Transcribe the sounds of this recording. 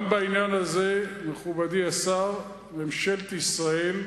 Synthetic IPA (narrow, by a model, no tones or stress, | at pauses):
mbainjanazemeχubad̪iasaʁ | memʃelt̪isʁael